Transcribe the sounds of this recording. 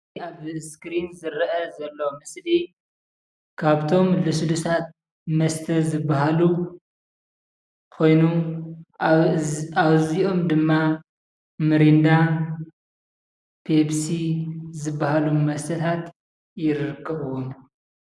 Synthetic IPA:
aβskɾinzɨɾʔɐzɐlːo̞mɨsli | kʰaβt̪ʰo̞mlɨsd̪usʰat̪̚ | mɐst̪ʰɐzɨbːaɦalu | kʰo̞jnu | aβziʔo̞md̪ɨmːa | mɨɾind̪a | pʰebsizɨbːahalumɐst̪ʰɐt̪ʰat̪ | jɪɾɨɾɨkʰːɐβwom

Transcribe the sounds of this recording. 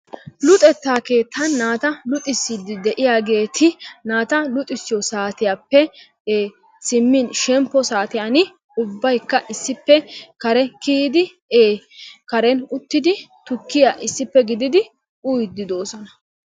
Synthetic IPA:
lʊt̪ʼɛt̪ːaːke̞ːt̪ʰːɐnːaːt̪ɐlʊt̪ʼɪsːɪd̪ɪd̪ɛʔɪjaːɡe̞ːt̪ʰɪnaːt̪ɐlʊt̪ʼɪsːɪjɔsaːt̪ɪjapːɛ | eː | sɪmːɪnʃɛmpːɔsaːt̪ɪjanɪ | ʊbːɐjkːɐʔɪsːɪpːɛkɐɾɛkiːd̪ɪ | eː | kɐɾɛnʊt̪ːɪd̪ɪt̪ʊkːɪjaːʔɪsːɪpːɛɡɪd̪ɪd̪ɪ | ʊjd̪ːɪd̪o̞ːsɔnɐ

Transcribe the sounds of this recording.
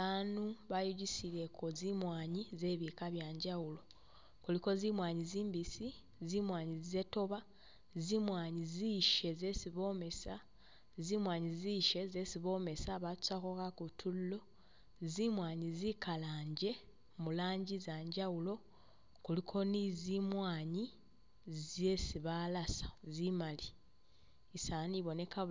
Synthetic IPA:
aːnuβajuɟisiɾe̞kʰo̞zimwaːɲize̞ːβikaβjaːɲɟawulo̞ | kuliko̞zimwaːɲiziːmbisi | zimwaːɲize̞to̞βa | zimwaːɲiziʃe̞ze̞siβo̞me̞sa | zimwaːɲiziʃe̞ze̞siβo̞me̞saβatu̥sakokakutʰullo̞ | zimwaːɲizikʰalaːɲɟe̞ | mulaːɲɟizaːɲɟawulo̞ | kulikʰo̞nizimwaːɲi | ze̞siβalasḁzimali | isaniβo̞ne̞ka

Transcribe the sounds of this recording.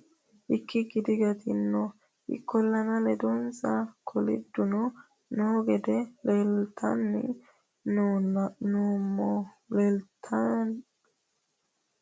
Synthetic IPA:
ʔɪkːɪɡɪd̪ɪɡɐt̪ɪnːɔ | ɪ̰kːɔlːɐnɐlɛd̪ɔnsɐkʰɔlɪ̰d̪ːʊnɔ | noːɡɛd̪ɛlelt̪ɐnːɪ̰ | nuːmːɔlelt̪ʰɐn

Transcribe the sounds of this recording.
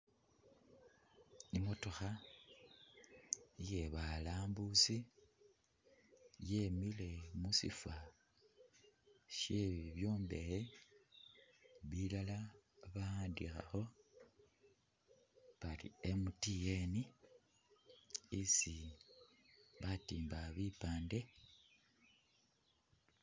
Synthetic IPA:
imo̞to̞xa | je̞βalaːmbusi | je̞mile̞musḭfa | ʃje̞βiβjo̞ːmbe̞ɾe | βilalaβaaːndixa̰xo̞ | βalḭemutijeni | isi | βatiːmbaβipaːnde̞

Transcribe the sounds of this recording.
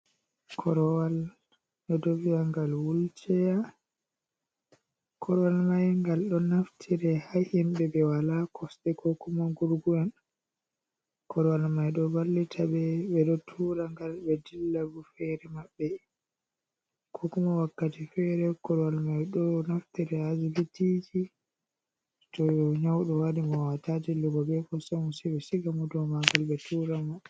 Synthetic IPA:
kʰɔɾɔwal | ɓɛdɔvijaŋɡalwult͡ʃɛja | kʰɔɾɔwalmajŋɡalɗɔnaftʰiɾɛhahimbɛbɛwalakʰɔsɗɛkʰɔkumaɡuɾɡuɛn | kʰɔɾɔwalmajɗɔbalːitʰabɛbɛɗɔtʰuɾaŋɡalbɛdilːabufɛɾɛmabːɛ | kʰɔkumawakːatifɛɾɛkɔɾwalmajɗɔnaftɛɾɛazilitid͡ʒi | tɔjɔɲawɗɔwadimɔwatatiluɡɔbɛfɔsɛmɔsɛbɛsiɡamudɔmaŋɡalbɛtʰuɾamɔ

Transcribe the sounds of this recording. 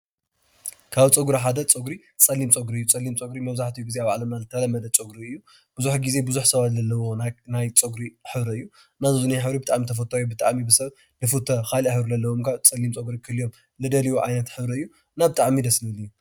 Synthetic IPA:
kʰaβt͡sʼɐɡuɾaħad̪ɐt͡sʼɨɡɾi | t͡sʼɐlimt͡sʼoɡɾiɨjːut͡sʼɐlːimt͡sʼoɡɾimɐβzaħt̪ʰijuɡizeaβaʕlɐmnazɨt̪ʰːɐlɐmːɐd̪ɐt͡sʼoɡɾiɨjːu | b̥ɨzuħɡize̞bɨzuħsɐβat̪lɐlːɐwo̞nnajt͡sʼoɡɾiħɨβɾɐɨjːu | nazzuniħɨβɾibɨt̪ʼaʕmit̪ʰɐf̬ɐt̪ʰːajbɨt̪ʼaʕmibɨsɐβ | nɨfut̪ʰːɐxaliaħɨβɾulɐlːɐwomkʰat͡sʼɐlimt͡sʼoɡɾikʰɨlːijom | lɨd̪ɐliwuʕa̰jnɐt̪ħɨβɾɐɨjːu | nabɨt̪ʼaʕmid̪ɐsnɨliju

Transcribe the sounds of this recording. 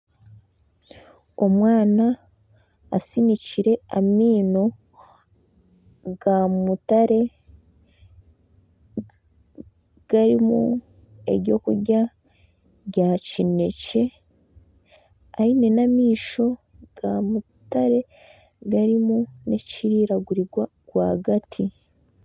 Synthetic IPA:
o̞mwaːnaː | siniciɾe̞amiːno̞ | ɡamutaɾe̞ | ɡ̥aɾimṵ | e̞̰ɾɟo̞kuɾɟa | ɟacine̞ce̞ | aine̞namiːʃo̞ | ɡ̥amu | taɾe̞ | ɡaɾimune̞ciɾiːɾaɡuɾiɡwa | kwa̰ːɡatʰi

